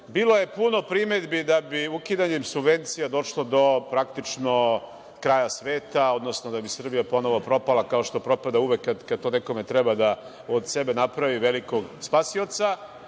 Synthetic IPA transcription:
biːlˠo̞je̞puno̞pɾimed̪bid̪abiukid̪aɲemsubʋe̞nt̪sijad̪o̞ʃlˠo̞d̪o̞pɾakt̪it͡ʃno̞ | kɾaːjasʋeːt̪ao̞d̪no̞snod̪abisr̩bijapo̞no̞ʋopɾo̞palˠakaoʃt̪o̞pɾo̞pad̪auʋekːad̪kad̪t̪oneko̞met̪ɾɛbad̪a | od̪sebenapɾaʋiʋeliko̞ɡspaːsio̞t̪sa

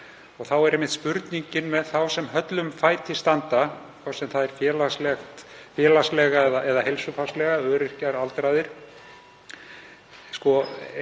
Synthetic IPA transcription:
ɔɣθawɛɾemɪt̪spʏɾt̪niɲcɪnmɛðθawsɛmɦœt̪lʏmfaːjt̪ɪst̪ant̪akʰvɔsɛmθaðɛɾ̥fjɛːlaslɛxt̪fjɛːlaslɛɣaɛðaʔɛðahelsʏfaslɛɣaœːɾɪr̥caɾalt̪ɾaːjðɪɾ̥ | skɔ

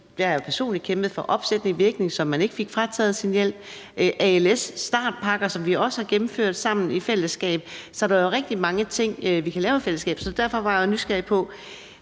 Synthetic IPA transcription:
d̥eæɐjopʰæɐso̝̰ːnlid̥̚kʰemb̥ð̩ˠfɒ̽ʔɒ̽b̥sed̥niʋiɐɡ̥ne̝ŋsɒ̽mːæne̝ɡ̥əfe̝ɡ̥fʁɑt͡sʰɛ̰ːð̞̩ˠsinjel̰b̥ʔæelesːd̥ɑ̰̈ːd̥̚pʰɑ̈ɡ̥ɐsɒ̽mʋiɒ̽səhɑ̈ɡ̥emm̩føɐ̰d̥sɑ̈m̰n̩ifel̰əsɡ̥ɛ̰ːb̥̚sɒ̽ɾ̥ɑjo̝ʁɛɡ̥̚d̥imɑ̈ŋət͡sʰe̝ŋ̰ʋikʰælɛːʊe̥fel̰əsɡ̥ɛ̰ːb̥sɒ̽d̥æɐ̰fɒ̽ʋɑ̈jnysɡ̥æɐ̰pʰɒ̽

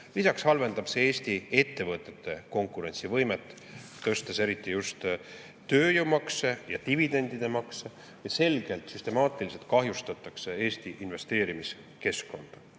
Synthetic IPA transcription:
lisɑkshɑlve̞nd̪̥ɑb̥se̞eːst̪ie̞t̪ːe̞vɤt̪ˑːe̞t̪ːˑe̞ko̞ŋkˑuɾe̞nʲsivɤ̞jmet̪ˑː | t̪ɤst̪ese̞ɾit̪ːˑijust̪ | t̪ːøːjumɑksejɑ̰t̪ivid̪e̞nʲd̪̥id̪̥e̞mɑkse | jɑse̞lɡ̥e̞lt̪syst̪e̞mɑːt̪ˑilise̞lt̪̚kɑɦjust̪ɑt̪ːˑɑksee̞ːst̪iʔinve̞st̪e̞ːɾimis | ke̞skːo̞nd̪̥ɑ

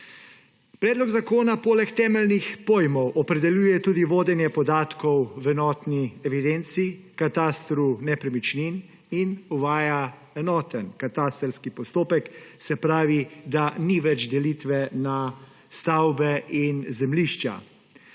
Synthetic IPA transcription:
pɾɛːd̪lɔɡzakoːnapoːlɛkt̪ɛːmɛlnixpoːjmɔwʔɔpɾɛd̪ɛljuːjɛt̪uːd̪iʋoːd̪ɛnjɛpɔd̪aːt̪kɔwwɛnɔːt̪niɛʋid̪ɛnt̪sikat̪aːst̪ɾunɛpɾɛmit͡ʃnin | inuʋaːja | ɛnɔːt̪ənkat̪aːst̪ɾskipɔst̪oːpɛksɛpɾaːʋid̪aniʋɛd͡ʒd̪ɛlit̪ʋɛna | st̪awbɛʔinzɛmliʃt͡ʃa̰

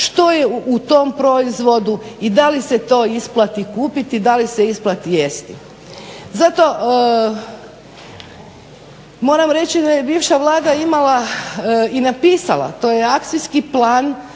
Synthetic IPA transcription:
ʃt̪o̞jeʔut̪o̞mpɾo̞izʋo̞d̪uid̪aliset̪o̞ːisplˠat̪ikuːpit̪id̪aliseisplat̪ijest̪i | zat̪o̞ | mo̞ːɾamɾe̞t͡ɕid̪ajebiːʋʃaʋlˠaːd̪aimala | inapiːsala̰t̪o̞jeakt̪siskiplaːn

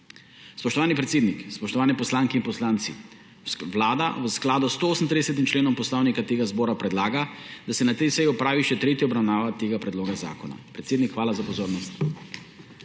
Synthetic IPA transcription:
spɔʃt̪ɔʋaːnipɾɛt̪seːd̪nikspɔʃt̪ɔʋaːnɛpɔslaːŋkɛinpɔslaːnt̪sḭ | ʋlaːd̪a̰ʋsklaːd̪ɔst̪ooːsn̩t̪ɾid̪ɛsɛt̪imt͡ʃleːnɔmpɔslɔwnikat̪eːɡazbɔːɾapɾɛd̪laːɡad̪asɛnat̪ɛjsɛjiɔpɾaːʋiʃɛt̪ɾeːt̪jiɔbɾawnaːʋat̪eːɡapɾɛd̪loːɡaza̰ːkɔna̰pɾɛt̪seːd̪nikxʋaːlazapɔzoːɾnɔst̪

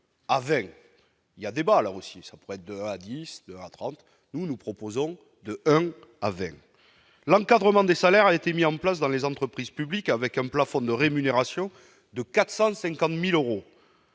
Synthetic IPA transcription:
avɛ̃ | iljad̪ebalaosisapuʁɛɛt̪̚χd̪əɛ̃ad̪isd̪əɛ̃at̪χɑ̃t̪ | nunupχɔpozɔ̃ | d̪əɛ̃ | avɛ̰̃ | lɑ̃ŋkad̪ʁəmɑ̃d̪esalɛʁaet̪emiɑ̃plasd̪ɑ̃lezɑ̃t̪χəpχizpyblikavɛkɛ̃plafɔ̃d̪əʁemyneʁasjɔ̃ | d̪əkat̪χsɑ̃sɛ̃ŋkɑ̃t̪miløʁo

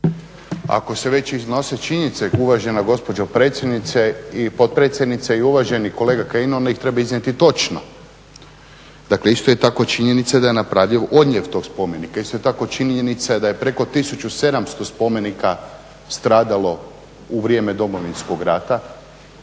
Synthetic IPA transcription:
a̰ko̞se̞ʋe̞t͡ɕizno̞se̞t͡ʃiɲenit̪seuʋaʒenaɡo̞spo̞d͡ʒopɾeːt̪sʲjed̪nit̪seipo̞t̪̚pɾet̪sʲjed̪nit̪seiuʋaʒeniko̞leːɡakaino̞nd̪aixt̪ɾe̞baiznʲet̪it̪o̞t͡ʃno̰ | d̪akle̞ist̪ojet̪akot͡ʃiɲe̞nit̪sad̪aje̞napɾaʋʎiʋʔo̞d̪ɲeʋt̪o̞ɡspo̞me̞nikaist̪ojet̪ako̞t͡ʃinenit̪sad̪ajepɾe̞ko̞t̪isut͡ʃuse̞d̪amst̪o̞spo̞me̞nika | st̪ɾaːd̪alo̞ | uʋɾije̞ːmed̪o̞mo̞ʋinskoɡɾaːt̪a

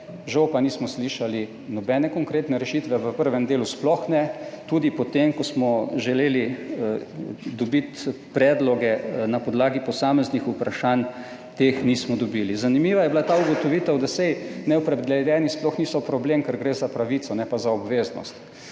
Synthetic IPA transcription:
ʒɐwpaniːsmɔsliːʃali | nɔbɛːnɛkɔŋkɾeːt̪nɛɾɛʃiːt̪ʋɛʋəpəɾʋɛmd̪eːlusplɔxnɛt̪uːd̪ipɔt̪emkɔsmɔʒɛleːli | d̪ɔbit̪ | pɾɛːd̪lɔɡɛnapɔd̪laːɡipɔsaːmɛznixupɾaʃan | t̪eːxniːsmɔd̪ɔbilizanimiːʋajɛbilat̪aːuɡɔt̪ɔʋiːt̪ɛwd̪asɛjnɛɔpɾɛd̪lɛd̪jɛnisplɔxnisɔpɾɔbleːmkəɾɡɾeːzapɾaʋiːt̪sɔnɛpazaɔbʋeːznɔ̰st̪

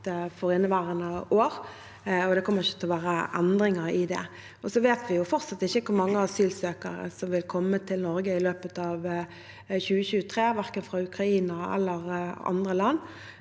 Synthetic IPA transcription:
fɔɾɪnːəʋæːʁənəoːʁ | ɔd̪ɛkʰɔmːəɾɪçːət̪ʰɛlɔʋæːɾəʔænd̪ɾɪŋəɾɪd̪ɛ̰ | ɔsɔʋeːt̪ʋɪjʊfɔɾsɑt̪ːɪçːəkʰʊɾmɑŋːəɑsyːlsøːkə̰ɾə̰sɔmʋɪlkʰɔmːət̪ʰɪlnɔɾɡəɪløːpət̪ɑʋ | çʉːəçʉːət̪ʰʁeːʋæʁkənfɾɑʉkʁɑiːnəæ̰lːəʁɑ̰nd̪ʁəlɑnː

